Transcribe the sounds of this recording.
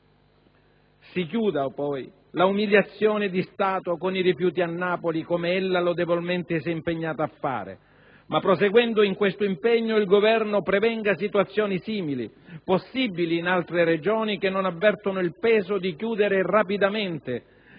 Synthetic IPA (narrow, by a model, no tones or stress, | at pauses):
sik̬juːd̪apɔj | laumiljat̪sːjɔːnɪd̪ist̪aːt̪okoniɾifjuːt̪̬ianːaːpolikomeelːalʊd̪ɛvolment̪ɪsɛimpeɲːaːt̪aːfːa̰ːɾɪ̰ | mapːɾoseɡwɛnd̪ʊiŋkwest̪ʊimpɛɲːʊilɡovɛrnʊpɾɛvɛŋɡasit̪wat̪sːjɔːnisiːmilḭ | posːibːiliːnalt̪ɾɪɾed͡ʒɔːnikenːonavːɛrt̪onʊilpɛːzod̪ikjuːd̪eɾɪrapid̪ament̪ɪ